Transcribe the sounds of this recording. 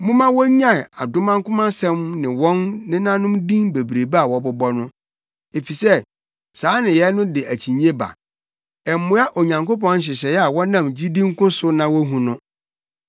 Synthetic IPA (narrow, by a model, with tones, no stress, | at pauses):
mʊ̃˦mã˦wɔ˦ɲã˦˨a˨dʊ˦mã˦ŋ˦kʊ̃˦mã˦sɛ̃˦mnɪ̃˨wɔ̃˦nːɪ̃˦nã˦nʊ̃˦mdĩ˦ŋbe˨bɾe˨ba˦a˨wɔ˨˦bʊ˦bɔ˦nʊ̃˦ | e˨fi˨sɛ˦ | saː˨˦nɪ̃˨jɛ˨˦nʊ̃˦dɪ˨æ˨t͡ɕʰi˨ɲĩ˦e˦ba̰˨ | ɛ˨m˨mʊ̃˦a˦ʔo˨ɲã˨ŋko˦pɔ̃˦n̩˦ɕ̬ɪ˨ɕɛ˨jɛ˦a˨wɔ˦nã˦˨md͡ʑi˦dĩ˦ŋ̩˦kʊ̃˦sʊ˦nã˨wɔ˦ɦũ˨nʊ̃˦